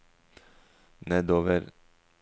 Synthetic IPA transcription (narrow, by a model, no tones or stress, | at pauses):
neːd̪oːʋəɾ